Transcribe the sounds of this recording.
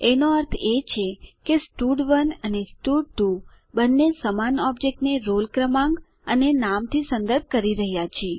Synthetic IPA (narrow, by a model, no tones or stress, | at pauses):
enoəɾt̪ʰet͡ʃʰekesʈuɖʋənənesʈuɖʈu | bənːesəmanɔbd͡ʒek̚ʈneɾolkɾəmãŋɡ | ənenamt̪ʰisənd̪əɾb̚ʱkəɾiɾəɦjat͡ʃʰe